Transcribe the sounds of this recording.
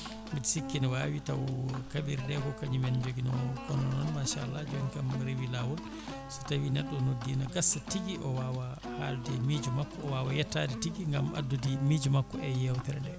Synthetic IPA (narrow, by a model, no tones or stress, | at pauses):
miti̥sikːinɛwawitawkabiɾdɛkɔkaɲimɛnd͡ʒoɡinɔkɔnɔnɔnmaʃalːad͡ʒɔnkamɾewilawɔl | sɔ̥tawinɛɗːɔnodːinɔɡasːatiɡiʔɔwaːwa | haldɛmid͡ʒumakːɔɔwaːwajɛtːadɛtiɡiŋɡama̰dːudimid͡ʒumakːɔɛjɛwt̪ɛɾandɛ